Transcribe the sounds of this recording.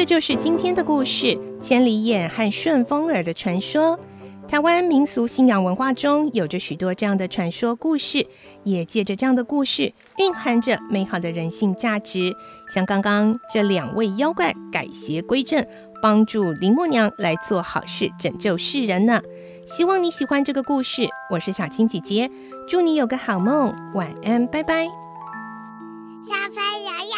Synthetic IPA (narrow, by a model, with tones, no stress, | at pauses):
ʈ͡ʂɤ˥˧t͡ɕjo˥˧ʊʂɻ̩˥˧t͡ɕi˥nt̪ʰjɛ˥nd̪ə˨ku˥˧ʂɻ̩˥˩t͡ɕʰjɛ˧˥nli˧˥jɛ˨˩nxa˥˧nʂwə˥˩nfɤ˥ŋə˞˨˩d̪ə˦ʈ͡ʂʰwa˧˥nʂwɔ˥ | t̪ʰa˧˥ɪwa˥nmi˧˥ŋsu˧˥ɕi˥˩njɑ˧˥ŋwə˧˥nxwa˥˩ʈ͡ʂʊ˥ŋjo˨˩ʊʈ͡ʂə˧˦ɕy˨˩t̪wɔ˥ʈ͡ʂɤ˥˧jɑ˥˩ŋd̪ə˩ʈ͡ʂʰwa˧˥nʂwɔ˥ku˥˧ʂɻ̩˥˩ | jɛ˨˩t͡ɕjɛ˥˩ʈ͡ʂə˩ʈ͡ʂɤ˥˧jɑ˥˩ŋd̪ə˩ku˥˧ʂɻ̩˥˩ | pi˥˩ŋxa˥nʈ͡ʂə˨me˧˥ɪxɑ˨˩ʊd̪ə˦ɻə˧˥nɕi˥˧ŋt͡ɕja˥˩ʈ͡ʂɻ̩˧˥ | ɕjɑ˥˩ŋkɑ˥ŋkɑ˥ŋʈ͡ʂɤ˥˩ljɑ˨˩ŋwʔe˥˩ɪjɑ˥ʊkwa˥˩ɪka̰˨˩ɪɕjɛ˧˥kwe˥ɪʈ͡ʂə˥˩n | pɑ˥ŋʈ͡ʂu˥˩li˧˥ŋmwɔ˥˩njɑ˧˥ŋla˧˥ɪt͡swɔ˥˩xɑ̰˨˩ʊʂɻ̩˥˩ʈ͡ʂə˨˩ŋt͡ɕjo˥˧ʊʂɻ̩˥˩ɻə˧˥nnə˧ | ɕi˥wɑ˥˩ŋni˧˥ɕi˨˩xwa˥nʈ͡ʂɤ˥˩ɡə˩ku˥˧ʂɻ̩˥˩wɔ˨˩ʂɻ̩˥˩ɕja˨˩t͡ɕʰi˥ŋt͡ɕi˨˩t͡ɕjɛ˧˥ | ʈ͡ʂu˥˩ni˧˥jo˨˩ʊɡə˦xɑ˨˩ʊmə˥˩ŋ | wa˨˩na˥˩npa˥˩ɪpa˥ɪ | ɕa˥˩fa˥˧